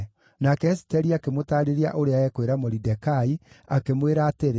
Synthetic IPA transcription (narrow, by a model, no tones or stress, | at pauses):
nakɛːsi̥tɛɾiakemotaːɾeɾea̰ʔoɾeaɛkweɾamoɾidɛkai | akemweɾaːteɾ